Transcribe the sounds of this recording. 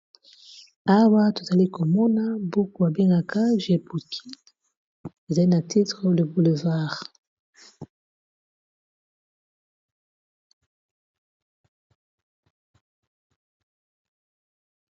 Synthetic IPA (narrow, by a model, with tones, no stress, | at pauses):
a˦wa˦to˨za˨li˦ko˨mɔ˦na˦bu˦ku˨a˨be˦ŋɡa˨ka˦ʒe˨bu˨kʰi˦ | e˨za˨li˦na˨ti˦tʁə˦lə˨bu˨le˨va˦˨ʁ